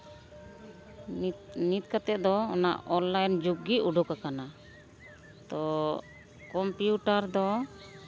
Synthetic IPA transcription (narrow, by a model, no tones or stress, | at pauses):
nit̪̚kat̪ɛʔ̚d̪ɔɔna̰ʔɔnlajnd͡ʒuɡːiuɖukakana | t̪ɔ | kɔmpjuʈaɾd̪ɔ